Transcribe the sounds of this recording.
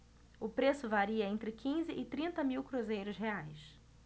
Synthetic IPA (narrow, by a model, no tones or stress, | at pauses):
ʊpɾesʊvaɾiɐẽnt̪ɾɪkʰĩzɪʔɪt̪ɾĩnt̪ɐmiwkɾuzejɾʊsɦeajs